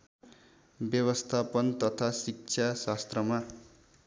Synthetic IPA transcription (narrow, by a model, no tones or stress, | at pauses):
bjʌβʌst̪ʰapʌnt̪ʌt̪ʰasik̚t͡sʰasast̪rʌma